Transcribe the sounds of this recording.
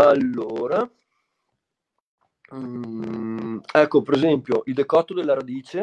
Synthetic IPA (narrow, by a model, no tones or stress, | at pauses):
alːoːɾa | ɛkːopeɾezɛmpjoʔild̪ekɔt̪ːod̪elːaɾad̪iːt͡ʃe